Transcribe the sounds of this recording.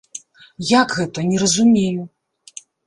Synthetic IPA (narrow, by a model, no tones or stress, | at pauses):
jakɣɛt̪ɐnʲɛɾɐzumʲeju